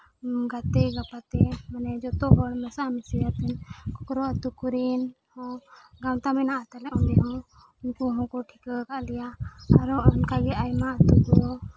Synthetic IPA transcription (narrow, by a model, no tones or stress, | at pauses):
ɡat̪ɛɡapat̪ɛmanɛd͡ʒɔt̪ɔbɔɽmɛsamisijat̪ɛnkɔkɾɔət̪ukuɾin | ɔ̃ɡawt̪amɛnaʔat̪alɛɔ̃nd̪ɛɦɔ̃ | ʊnkuɦɔ̃kɔʈʰikəkaʔlijaaɾɔnkaɡɛʔajmaət̪ukɔɾɔ